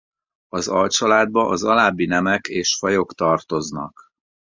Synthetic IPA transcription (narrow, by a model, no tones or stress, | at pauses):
ɒzɒlt͡ʃɒlaːd̪̚bɒʔɒzɒlaːbːinɛmɛkeːʃfɒjo̞kt̪ɒrt̪o̞znɒ̰k